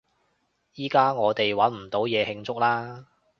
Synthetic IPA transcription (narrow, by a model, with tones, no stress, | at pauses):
jiː˥kaː˥ŋɔː˨˧t̪e˨jwɐ˨˥nm̩˨˩t̪o˨˥wjɛː˨˧hɪ˧ŋt͡sʊ˥k̚laː˥